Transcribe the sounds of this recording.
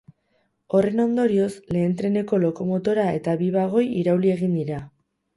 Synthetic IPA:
o̞re̞no̞nd̪o̞ɾio̞sle̞ːnt̪ɾe̞ne̞ko̞lo̞ko̞mo̞t̪o̞ɾae̞t̪aβiβaɣ̞o̞jiɾawlie̞ɣind̪iɾa

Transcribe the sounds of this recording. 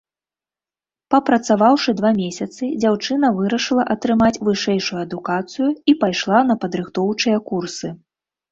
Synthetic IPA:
pɐpɾɐt̪savawʂɨd̪vamʲesʲɐt̪sɨd͡zʲawt͡ʂɨn̪ɐvɨɾɐʂɨlˠɐʔɐt̪ɾɨmat͡sʲvɨʂɛjʂujuɐd̪ukat̪sɨjuipajʂlˠanɐpɐd̪ɾɨxt̪ɔwt͡ʂɨjɐkursɨ

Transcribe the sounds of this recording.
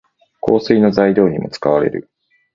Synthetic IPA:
kʰo̞ːsɨino̞zaid̪ʲo̞ːɲ̟imo̞t͡sɨ̥kaβaɾe̞̰ɾɯ̟̰

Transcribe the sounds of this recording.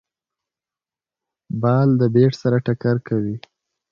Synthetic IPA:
bɑld̪əbeʈsaɾaʈakaɾkawi

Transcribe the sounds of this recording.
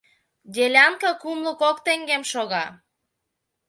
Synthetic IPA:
dʲelʲɑŋkəkumləkokt̪eŋɡemʃoɣɑ

